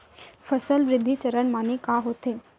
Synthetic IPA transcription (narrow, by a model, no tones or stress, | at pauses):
fʰəsəlʋɾɪd̪ʱːit͡ʃɐɾəɳmaːnekaɦoːt̪eː